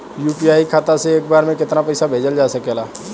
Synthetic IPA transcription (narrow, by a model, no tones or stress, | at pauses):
juːpiaːikʰaːt̪aseeːk̚baːɾmẽkɪt̪napɛɪsabʱeːd͡ʒəld͡ʒaːsəkeɐlaː